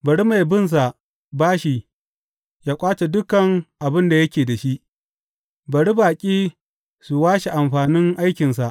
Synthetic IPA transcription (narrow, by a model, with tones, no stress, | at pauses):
bɐ˨ɽi˦ma˨jbɪ˦˨ns̬a˨ʔ | baː˦ʃi˨ | jaː˦kʷʼaː˦t͡ʃe˨dʊ˦kɐ˨ŋʔa˨bɪ˦nda˨jɐ˦kʲeː˨da˨ʃi˦ʔ | bɐ˨ɽi˦baː˨kʲʼiː˦ | su˨waː˦ʃe˨ʔa˨mɸaː˨nɪ˦ŋʔa˦jkʲɪ˨ns̬a˨ʔ